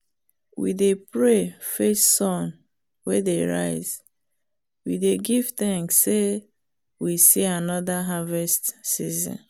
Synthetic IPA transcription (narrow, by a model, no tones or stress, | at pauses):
wḭdepɹefessɔ̃n | wɛdeɹa̰ɪz̥ | wḭdeɡiv̥θɛ̃ŋksːe | wisianɔðaɦavɛstsizɔ̰̃n